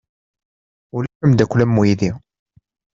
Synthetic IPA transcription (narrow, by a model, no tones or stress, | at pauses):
ulæħəmd̪ækʷːlæmːujiði